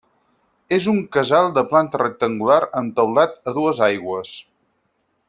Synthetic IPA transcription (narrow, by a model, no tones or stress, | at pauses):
ezuŋkəzalˠd̪əplant̪ərək̚t̪əŋɡulaɾənt̪əwlat̪əðuəzajɣwəs